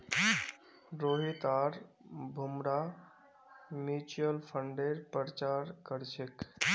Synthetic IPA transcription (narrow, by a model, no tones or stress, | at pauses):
ɾoɦit̪aɾbʱumɾa | mit͡ʃuəlpʰəɳɖeɾpəɾt͡ʃaɾkəɾt͡ʃʰek